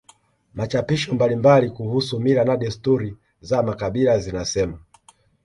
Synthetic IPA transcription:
mat͡ʃapiʃɔmbalimbalikuhusumiɾanaɗɛstuɾi | zamakaɓilazinasɛma

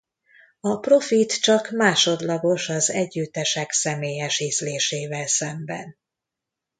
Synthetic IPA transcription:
ɒpro̞fit̪t͡ʃɒkmaːʃo̞d̪lɒɡo̞ʃɒzɛɟːyt̪ːɛʃɛksɛmeːjɛʃiːzleːʃeːvɛlsɛmbɛ̰n

